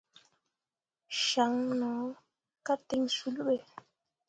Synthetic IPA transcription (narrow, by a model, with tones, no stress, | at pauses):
ʃa˨˦ŋnɔ˨˦ | ka˦te˦ŋsu˦lɓe˦˨